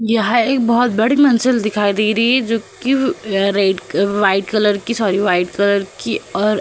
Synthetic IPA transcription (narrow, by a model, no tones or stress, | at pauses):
jɐɦãeːk̚bɔɦʊt̪̚bɐɽimɐnsɪld̪ɪkʰaːid̪eːɾɐɦiɦɛd͡ʒoːkiɾeːɖʋaːɪɖkɐləɾkisɔːɾiʋaːɪʈkɐləɾkiɔːɾ